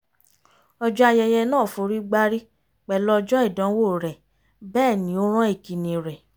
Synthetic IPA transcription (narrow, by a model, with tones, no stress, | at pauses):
ɔ˧d͡ʒɔ˦a˧jɛ˧jɛ˧nãː˦˨fo˨˧ɾi˦ɡ͡ba˦ɾi˦ | k͡pɛ˨lɔ˦˧d͡ʒɔ˦i˦˨dã˨˦wo˦˨ɾɛ˨ | bɛː˦˨nĩ˨˦o˦ɾ̃ã˦i˦˨ki˨nĩ˨ɾɛ˨